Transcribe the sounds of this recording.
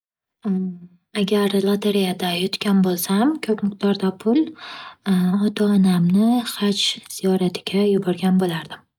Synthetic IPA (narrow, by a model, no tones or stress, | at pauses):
aɡʲaɾlˠat̪ʰaɾijad̪ajʊt̪kʲanbolˠsamkʲʰopmɪq̚d̪̥ɒɾd̪apʰʊl | ɒt̪ʰaːnamnɪχat͡ʃz̥ijɒɾat̪ʰɪɡʲajʊbɒɾɡʲanbolaɾd̪ɪ